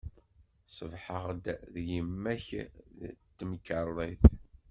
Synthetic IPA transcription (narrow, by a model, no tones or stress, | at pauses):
sˤəvħəʁd̪ðjəmːæç | t̪ːmkːərˤːiθ